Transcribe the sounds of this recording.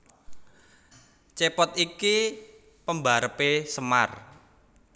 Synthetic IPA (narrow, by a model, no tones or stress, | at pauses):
t͡ʃepɔt̪iki | pəmbaɾəpesəma̰r